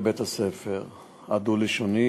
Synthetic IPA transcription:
bet̪asefeʁ | ad̪uliʃoni

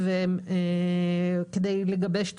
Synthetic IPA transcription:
veeme | ked̪ejleɡabeʃt̪

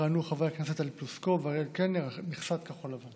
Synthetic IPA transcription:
anuχavʁejakneset̪alpluskovaʁelkeneʁmiχsat̪kaχolavan

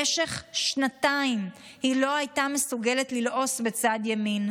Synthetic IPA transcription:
eʃeχʃʃnataim | hilo̞ajtamesuɡele̞tlilʔo̞sbet͡saːdjamin

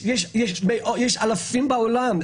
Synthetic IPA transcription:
jɛʃjɛʃbeʔojɛʃalafimbaolam

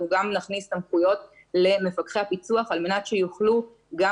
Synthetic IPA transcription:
uɡamnaχnistamχujo̞t | le̞me̞fakχehapit͡suaχalme̞natʃejuχlu | ɡa

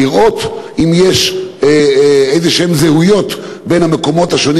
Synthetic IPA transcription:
iʁʔo̞t̪ | imjeʃ | ezeʃeemzehujo̞t | benameko̞mo̞thaʃoni

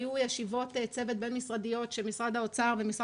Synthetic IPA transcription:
jujeʃivo̞t̪et͡se̞ve̞t̪̚be̞nmisʁad̪ijo̞tʃemisʁad̪haot͡saʁbemisʁ

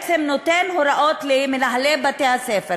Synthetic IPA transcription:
t͡semnot̪enhoɾaʔot̪limenaɦalebat̪ehasefe

